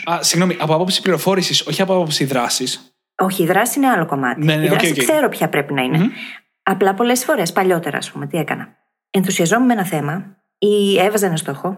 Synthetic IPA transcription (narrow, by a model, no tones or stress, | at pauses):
ɐsiɣno̞miʔɐpoapo̞psi̥pliɾo̞fo̞ɾisiso̞çiɐpoapopsiðɾɐsis | o̞çiːðɾɐsi̥sineɐlo̞komɐ̰t̪ineiðɐskse̞ɾo̞pçɐpɾe̞pinɐine | ɐplɐpo̞le̞sfo̞ɾe̞spɐʎo̞t̪e̞ɾɐ̰ːspume̞t̪ie̞kɐnɐ | enθusiɐzo̞mumenɐθe̞mɐ | ie̞vɐzɐenɐst̪o̞xo̞